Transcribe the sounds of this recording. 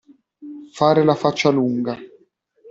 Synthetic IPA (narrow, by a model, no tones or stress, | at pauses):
faːɾɪlafat͡ʃːaluŋɡa